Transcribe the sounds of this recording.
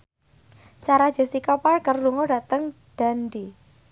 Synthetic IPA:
saɾḁd͡ʒ̥a̤sikaparkərluŋoda̤t̪əŋ | d̥a̤ndi

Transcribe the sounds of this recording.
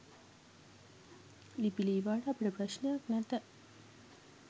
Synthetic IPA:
lipiliːʋaːʈəɐpəʈəpɾɐʃnejaknæt̪ə

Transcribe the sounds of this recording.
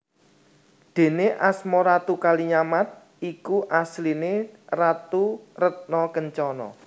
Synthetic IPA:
d̪̥e̤neʔasmɔɾat̪ukaliɲamat̪̚ | ikuʔaslinerat̪urət̪̚nɔkəɲt͡ʃɔnɔ̰

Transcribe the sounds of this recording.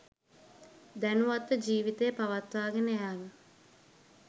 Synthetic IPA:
d̪ænuʋat̪ːəd͡ʒiːʋit̪ejəpaʋat̪ʋaːɡenəjaːɡə

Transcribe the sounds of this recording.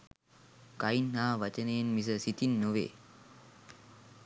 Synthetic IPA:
kainːaːʋɐt͡ʃənəjenmis̬əsit̪inːoʋḛː

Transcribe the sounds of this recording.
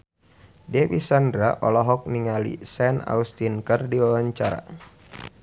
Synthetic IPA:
dɛbisandɾaʔɔlɔɦɔk̚niŋalḭsɛna̰ust̪inkərdiawaɲt͡ʃaɾa̰

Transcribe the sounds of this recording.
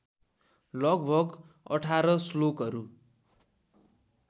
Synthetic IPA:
lʌɡbʱʌk | ʌ̰ʈʰaɾʌslokɦʌɾu

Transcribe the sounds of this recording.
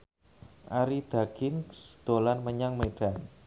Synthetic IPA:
ʔaɾid̪̥aɡ̥ɪŋsd̪̥olanməɲaŋmeɖ̥an

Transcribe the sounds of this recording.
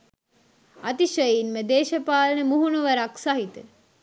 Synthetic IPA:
at̪iʃəjinməd̪eːʃɐpaːlənəmuɦunuʋəɾaksaɦit̪ə

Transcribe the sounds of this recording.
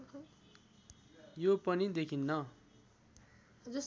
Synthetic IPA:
jopʌnid̪ekʰinːʌ | d͡zus

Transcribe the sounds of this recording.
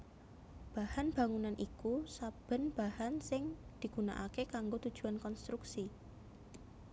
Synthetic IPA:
b̥ahanb̥a̤ŋunanʔikusab̥ə̤nb̥a̤hansɪŋd̪̥i̤ɡ̥una̰ʔakekaŋɡot̪ud̥ʒ̥ṳankɔnst̪ɾuksi

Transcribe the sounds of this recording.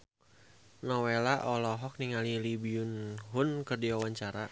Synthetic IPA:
nɔwelaʔɔlɔɦɔk̚niŋalilibiunɦʊnkɨrdiwawaɲt͡ʃaɾa

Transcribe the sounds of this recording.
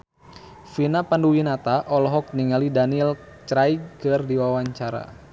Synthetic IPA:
finapanduwinat̪aʔɔlɔɦɔk̚niŋalidanil | t͡ʃɾajkɨrdiwawaɲt͡ʃaɾa̰

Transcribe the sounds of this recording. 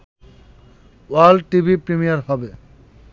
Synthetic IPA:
walʈibʱipɾimijaɾɦɔbe

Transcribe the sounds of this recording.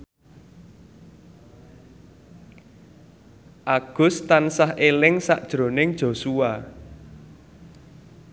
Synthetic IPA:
ʔaɡ̥ʊ̤st̪ansahʔelɪŋsa̰ʔd̥ʒ̥ɾo̤nɪŋd̥ʒ̥o̤sua

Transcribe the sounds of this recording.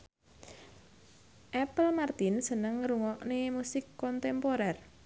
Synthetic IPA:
ʔɛpəlmart̪ɪnsənəŋːəɾuŋɔʔnemusɪkːɔnt̪ɛmpoɾɛr

